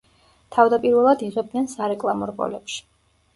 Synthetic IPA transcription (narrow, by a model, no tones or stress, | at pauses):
t̪ʰavd̪apʼiɾvɛlˠad̪iʁɛb̚d̪nɛnsaɾɛkʼlˠamɔɾbʼɔ̰lɛpʃi̥